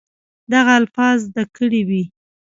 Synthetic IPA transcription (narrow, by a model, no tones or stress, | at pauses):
d̪aɣaːlfɑzd̪akəɽiwi